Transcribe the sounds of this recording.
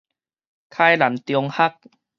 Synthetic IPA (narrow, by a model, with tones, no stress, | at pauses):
kʰaː˥˩jla˨˦nt̪i˧o˧ŋha˦˥˩k̚